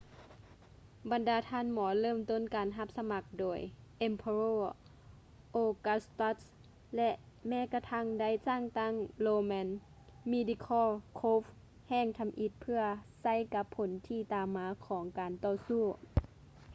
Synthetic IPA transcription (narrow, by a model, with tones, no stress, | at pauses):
ba˨˩ndaː˨˩t̪ʰaː˧˥˨nmɔː˩˦lɤː˧˥˨mt̪o˧˥˨nkaː˨nɦa˧p̚sa˧ma˧˦k̚doː˨˩jʔe˧mpʰa˧ɾoː˧˨ | ʔoː˧˩ka˧˥st̪ɔ˧˥ | lɛ˧ʔ | mɛː˧˥˨ka˧t̪ʰa˧˥˨ŋda˧˥˩jsaː˧˥˩ŋt̪a˧˥˨ŋloː˧mɛː˧˥n | miː˧˥di˧kʰɔː˧˥˨kʰoː˧˦f | hɛː˧˩˨ŋt̪ʰa˨˦mʔi˧t̪̚pʰɯ˧ɐsa˧˥˨jka˧˦pʰːo˨˦nt̪ʰiː˧˩˨t̪aː˨mːaː˨˧˦kʰɔː˩˦ŋkaː˨nt̪ɔː˧˩suː˧˩